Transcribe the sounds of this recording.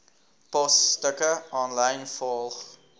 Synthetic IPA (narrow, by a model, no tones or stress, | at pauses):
pɔsːtəkəɔnləjnfɔlˠχ